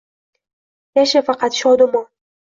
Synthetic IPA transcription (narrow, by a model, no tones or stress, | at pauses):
jaʃafɑqɑt̪ʃɒd̪ʊmɒ